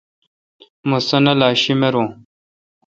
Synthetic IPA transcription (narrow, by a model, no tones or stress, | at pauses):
musɐnalaʃimeɾõ